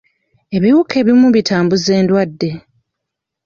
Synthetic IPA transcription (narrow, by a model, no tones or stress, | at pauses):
e̞βiwukʰe̞ːβimuβitʰaːmbuze̞ːndwadːe̞